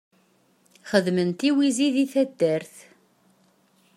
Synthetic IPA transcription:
χəðmənt̪iwiziðiθæd̪ːæɾθ

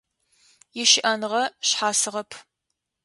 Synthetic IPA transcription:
jɪʃɪʔɐnɨʁɐɕħaːsɨʁɐpʰ

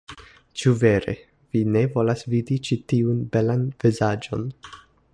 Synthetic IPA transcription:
t͡ʃuve̞ɾe̞̰ | v̥ine̞vo̞lasvidit͡ʃitiunbe̞lanv̥izad͡ʒo̞̰n

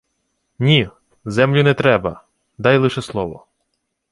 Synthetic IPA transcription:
nʲi | zɛmlʲʊnɛt̪ɾɛbɐ | d̪ɑjlˠɪʃɛslˠɔʋɔ

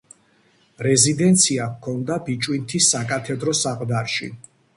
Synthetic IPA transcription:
ɾɛzid̪ɛnt̪sʰiakʰɔnd̪abit͡ʃʼwint̪ʰisːakʼat̪ʰɛd̪ɾɔsaqʼd̪aɾʃḭ

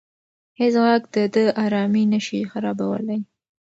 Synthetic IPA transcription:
hɪsɣɑɡd̪̥əd̪əɑɾɑminəʃixaɾɑbawə̰laj

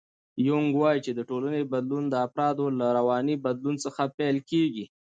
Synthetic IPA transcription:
jʊŋɡwɑjit͡ʃed̪əʈolanebad̪lund̪əafɾɑd̪olaɾawɑnibad̪lunt͡səxapɛlkeɡi

